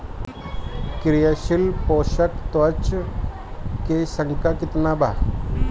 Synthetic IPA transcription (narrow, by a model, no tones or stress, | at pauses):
kɾijaɕilpɔʃəkt̪ʋət͡ʃ | kesəŋkakit̪nabʱa